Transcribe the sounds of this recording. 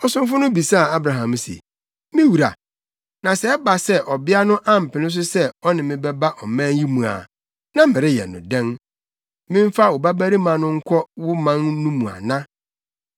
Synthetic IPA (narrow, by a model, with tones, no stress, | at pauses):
ɔ˨sʊ̃˦m˦fʊ˦nʊ̃˦bi˨sa˦˨a˦bɾa˨ɦã˨msḛ˨ | mĩ˦wu˨ɾa̰˨ | nã˨sɛ˦ɛ˦ba˨sɛ˦ʔɔ˨bɪ˦a˦nʊ̃˦ʔã˦m̩˨pʰɪ˨nɪ̃˦s̬ʊ˦sɛ˦ɔ˦nɪ̃˨mɪ̃˦bɛ˦ba˦ʔɔ˨mɛ̃˦n˦ji˦mũ˨a̰˨ | nã˦mɪ̃˨ɾɪ˦jɛ̰˨nʊ̰̃˨dɛ̃˦n | mɪ̃˦ɱ̩˦fa˦˨ʊ˨ba˦bæ˦ɾi˦mã˨nʊ̃˦ŋ̩˦kʷʰɔ˦wʊ˦mã˦nːũ˦mũ˨a̰˨nã˦